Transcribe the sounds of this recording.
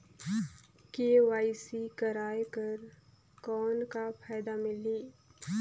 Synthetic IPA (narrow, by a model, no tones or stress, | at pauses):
keːwaːisikəɾaːjkəɾ | kɔːnkapʰaːɪd̪amɪliː